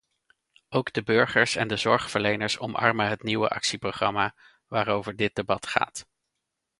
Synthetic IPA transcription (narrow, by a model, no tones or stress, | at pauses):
owɡdəbøɹχəɹsɛ̰ndəzɔɹχfəɹlejnəɹsɔmʔɑ̰ɹməɦətniwə̰ʔɑ̰ksiproχrɑmaː | ʋaːɾowvəɹdɪt̚debɑtχa̰ːt